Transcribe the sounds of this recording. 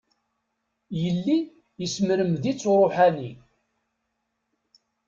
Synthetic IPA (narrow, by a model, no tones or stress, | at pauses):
jəlːi | jəsməɾəmðit͡sːoɾˤoħæni